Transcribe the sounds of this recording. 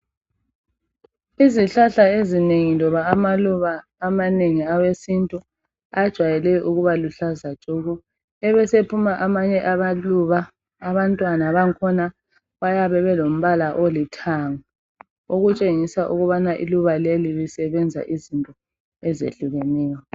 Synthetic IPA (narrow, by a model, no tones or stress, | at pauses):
iziɬaɬaezineŋilɔβaːmaluβaː | maneŋiawesintʼu | ad̥ʒ̥ʱwajɛlɛʔuɣuβaluɬazḁʒ̥ʱʼoɣu | ɛβɛsepʰumaʔamaɲɛʔaβaluβaː | βantʼwanaβaŋkʰɔna | βajaβɛβɛlom̩βalaʔolitʰaŋa | oɣut͡ʃʼeŋisaʔuɣuβanaʔḭluβalelilisɛβɛnd͡zʱa̰ʔizintʼɔ | ɛzḛɬuɣenɛːjɔ